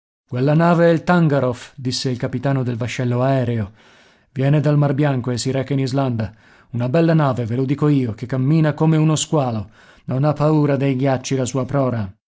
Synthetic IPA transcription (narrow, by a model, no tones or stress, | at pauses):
kwelːanaːveɛlt̪aŋɡaɾofd̪isːeilkapit̪aːnod̪elvaʃːɛlːoaɛːɾeo | vjɛːned̪almarbjaŋkoesːiɾɛːkainizland̪a | unabɛlːanaːvevelod̪iːkoiːokekːamːiːnakomeunoskwaːlo | nonapːauːɾad̪ejɡjat͡ʃːilasuːapɾɔːɾa